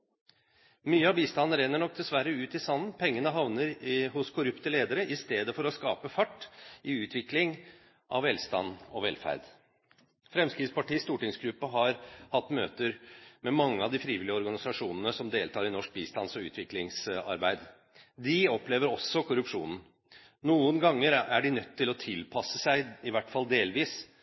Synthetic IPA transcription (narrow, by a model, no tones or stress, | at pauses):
myːəɑbiːst̪ɑnːəɾɛnːəɳɔk̚d̪ɛsʋæɾːəʉːt̪ɪsɑnnpʰɛŋːənəɦɑʋnəɾhʊskʰʊɾʉpt̪əleːd̪əɾəʔɪst̪eːd̪əfɔɾɔskɑːpəfɑʈːʔɪʉːt̪ʰʋɪklɪŋ | ʔɑ̰ʋɛlst̪ɑ̰nːɔʋɛ̰lfæ̰ɾd̪ | fɾɛmskɾɪd̪spɑʈiːst̪uːʈɪŋsɡɾʉpːəɦɑɾhɑt̪ːmøːt̪əɾmɛmɑŋːəɑʋd̪ɪfɾiːʋɪlɪəɔɾɡɑnɪsɑʂuːnənəsɔmd̪eːlt̪ʰɑːɾɪnɔʂk̚biːst̪ɑnsɔʉ̰ːt̪ʰʋɪklɪŋsɑ̰ɾbæɪd̪ | d̪ɪɔpleːʋəɾɔsːɔkʰʊɾʉpʂṵːnn̩ | nuːənɡɑŋːəɾæɖɪnœt̪ʰːɪlɔt̪ʰɪlpʰɑsːəsæɪɪʋæʈːfɑld̪eːlʋiːs